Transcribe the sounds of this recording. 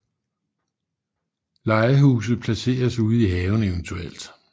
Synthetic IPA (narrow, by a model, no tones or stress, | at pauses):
lɑ̈ɪɐɦuːs̬ð̩ˠpʰlæse̝̰ːɐsuð̞̩ˠiɦɛːʊn̩eʊnt͡sʰuel̰d̥